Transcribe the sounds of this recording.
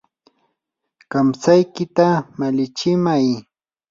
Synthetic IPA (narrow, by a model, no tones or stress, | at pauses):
kamsajkɪt̪amalɪt͡ʃɪmaj